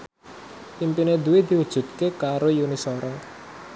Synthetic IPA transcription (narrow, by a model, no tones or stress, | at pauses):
impined̪uwid̪̥i̤wud̥ʒ̥ṳd̪̚kekaɾojunisoɾɔ